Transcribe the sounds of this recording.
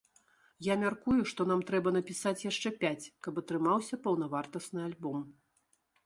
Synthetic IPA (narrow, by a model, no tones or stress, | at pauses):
jamʲarkujuʂt̪ɔn̪amt̪ɾɛbɐn̪ɐpʲisat͡sʲjaʂt͡ʂɛpʲat͡sʲkɐpɐt̪ɾɨmawsʲɐpɐwnɐvart̪ɐsnɨalʲbɔm